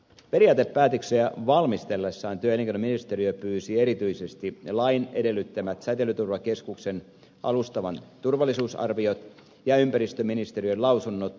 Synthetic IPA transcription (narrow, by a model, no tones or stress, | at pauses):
pe̞ɾiɑːt̪epːæːt̪økseæʋɑlmist̪elːesːɑːnt̪yøelːeŋkenominist̪eɾiøpyːsieɾit̪yisest̪ilɑinede̞lːyt̪ːæmæt̪sæt̪elːˑyt̪urʋɑkeskuksen | ʔɑlust̪ɑʋɑnt̪urʋɑlːˑisuːsɑ̰rʋiot̪ | jɑympæɾist̪øminist̪erijølɑusunːot̪